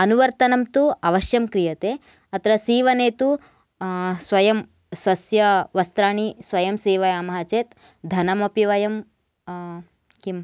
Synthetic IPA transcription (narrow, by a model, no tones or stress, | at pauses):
ɐnuʋɐɾt̪ɐnɐmt̪uɐʋɐʃjɐmkɾijɐt̪eː | ɐt̪ɾɐsiːʋɐneːt̪u | sʋɐjɐm | sʋɐsjɐʋɐst̪ɾaːɳ̃isʋɐjɐmsiːʋɐjaːmɐɦɐt͡ʃeːt̪ | d̪ʱɐnɐmɐpiʋɐjɐm | kim